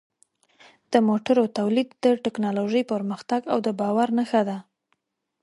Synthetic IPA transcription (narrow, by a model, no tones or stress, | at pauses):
d̪̥əmoʈaɾot̪awlid̪ːəʈɪknɑloʒəjpəɾməxt̪aɡawd̪əbɑwaɾnaxad̪a